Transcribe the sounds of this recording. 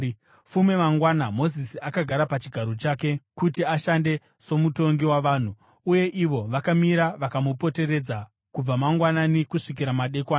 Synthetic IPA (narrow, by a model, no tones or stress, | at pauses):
fume̞maŋɡwaːnamo̞zisiakaɡʱaɾapat͡ʃiɡʱaɾo̞t͡ʃaːke̞kutiaʃande̞ | so̞muto̞ŋɡiwaʋaːn̤u | uje̞ʔiʋo̞ʋakamiɾaʋakamupo̞te̞ɾe̞d͡za | kub͡vamaŋɡwananikuʂik̬iɾamaɗe̞kwaːn